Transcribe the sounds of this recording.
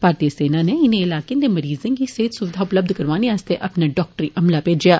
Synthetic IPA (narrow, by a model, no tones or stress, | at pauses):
bʱaːɾt̪iəseːnaneɪnẽɪlaːkẽd̪emɐɾiːzẽkiseːt̪sʊʋɪd̪ʱaʊpləb̚d̪ʱkɐɾʋaːneast̪eʔɐpnaɖɔːk̚ʈəɾiʔɐmlapeːd͡ʒijaː